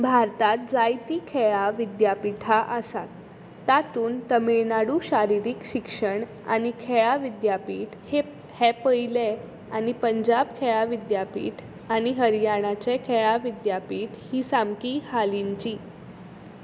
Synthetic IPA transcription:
bʱaɾt̪at̪̚d͡zajt̪iːkʰeɭaʋid̪japiʈʰaʔəsa̰t̪ː | at̪uːnt̪əmeɭnaɽuɕaɾiɾiːkɕikʂəɳ | a̰nikʰeɭaʋid̪japiːʈhe | hɛpəile | añipəɲd͡ʑabkʰeɭaʋid̪japḭːʈʰ | añiɦəɾjaɽ̃at͡sekʰeɭaʋid̪japiːʈʰhiːsamkiːhaliɲt͡ɕiː

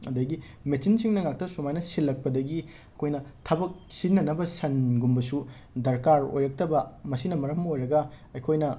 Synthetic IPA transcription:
ɐdɐɡi | mesinsiŋnɐŋak̚tɐsumajnɐsilːɐk̚pɐdɐɡi | ɐkʰojnɐtʰɐbɐk̚sinːɐnɐbɐsɐnɡumbɐsu | dɐɾkaɾo̰jɾɐk̚tɐbɐmɐsinɐmɐɾɐmmɐojɾɐɡɐ | ɐjkʰojnɐ

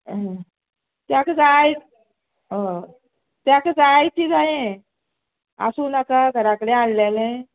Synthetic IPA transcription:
ɦə̃ | t̪jakət͡saj | ɦə̃ | t̪jakət͡sajt͡ɕiːd͡zaɦẽ | a̰suːnakaɡʱəɾakəɽealːalẽ

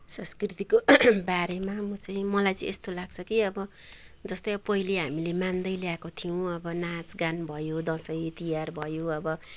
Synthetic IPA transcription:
sʌ̃skrit̪ikobaɾemamʌt͡sʌĩmʌlajt͡sʌĩest̪olaɡt͡sʰʌkiʌbʌd͡zʌst̪ʌjʌbʌpʌɦileɦamilemand̪ʌjljakot̪ʰijõʌbʌnat͡sɡanbʱʌjod̪ʌ̃sʌjit̪ijarbʱʌjoʌbʌ

